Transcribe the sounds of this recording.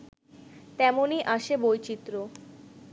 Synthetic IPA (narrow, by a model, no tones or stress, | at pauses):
t̪ɛmoniʔaʃebojt͡ɕit̪ːɾo